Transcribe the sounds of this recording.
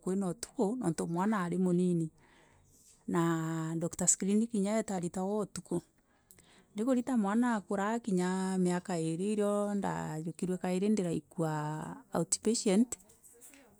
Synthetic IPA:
kwenɔtu̥konɔ̰ːntomwanaːɾemonini | nadɔktaskɾinikiɲaɛtaɾitawɔtuko | ndekoɾitamwanakoɾakiɲameakaeɾeiɾjɔnda̰jokiɾwɛkaeɾendeɾaikuaː | ti̥peʃɛnt

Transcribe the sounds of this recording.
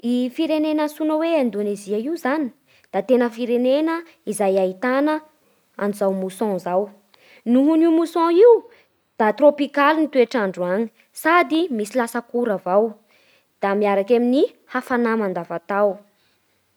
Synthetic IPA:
ifiɾenenasunəweãnd̪oneziaiuzani̥ | d̪̥at̪enəfiɾenenə | izajait̪anə | anuzawmusɔ̃zaw | nuɦuniumusɔ̃iu | d̪̥at̪ropikalinit̪ueʈ͡ʂaɳɖ͡ʐuaŋi̥ | sad̪imisilasəkuɾavaw | d̪̥amiaɾakamini | hafanamand̪avat̪aw

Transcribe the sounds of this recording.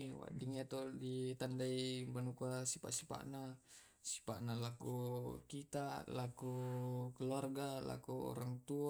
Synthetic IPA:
wa̰ʔdiŋat̪ɔdit̪andaibanukasipa̰ʔsi̥pa̰ʔna | si̥paʔnalakukit̪alakukəluarɡala̰kuɔ̰ɾaŋt̪ua

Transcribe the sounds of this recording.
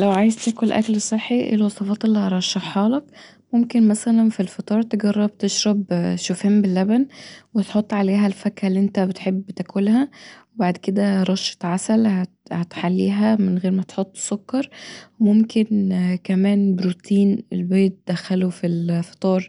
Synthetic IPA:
læwʕaːjezt̪æːkolʔæ̰klsˤeħːiʔḛlwɑsˤɑfɑːt̪elːihɑɾˤɑʃːɑħħɑːlɑk | momkenmæsælænfilfɑt̪ˤɑːɾˤt̪eɡɑrˤːɑb̚t̪eʃɾˤɑbʃofheːmbelːæbænwet̪ħot̪ˤːʕaleːɦælfækhælːiʔent̪æbet̪ħebːt̪ækolhæwbaʕd̪ked̪æɾˤɑʃːɑ̥t̪ʕasælhæ | hæt̪ħalːḭːɦæmɪnɣeːɾmæt̪ħot̪ˤːsokːɑɾˤmomkenkæmæːnbɾut̪iːnelbeːt̪̚d̪̥æxːælofilfɑ̥t̪ˤɑːɾˤ

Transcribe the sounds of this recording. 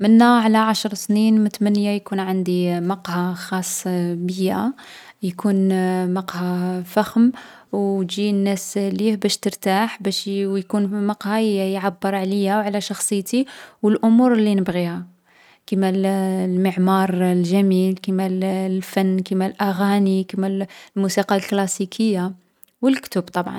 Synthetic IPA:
mənːæʕlæʕaʃɾˤsninmət̪mænːjajkunʕand̪imɑqhaxɑsˤːbəjːæ | jkunmɑqhafæxm | wt̪ʒinːæslihbæʃt̪əɾt̪aħbæʃwjkunmɑqhɑjʕabːəɾˤʕlijæwʕlæʃɑxsˤəjːt̪iwəlʔʊmuɾlːinəbɣihæ | kimællməʕmɑɾˤlʒæmilkimællfænːkimælʔæɣænikəmællmusiqɑlklɑsikʰəjːa | wəlkt̪əbt̪ˤɑbʕɑ̰n

